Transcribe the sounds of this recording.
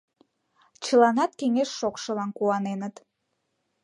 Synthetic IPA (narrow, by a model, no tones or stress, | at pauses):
t͡ɕəlɑnɑt̪keŋeʃːokʃəlɑnkuɑnenət̪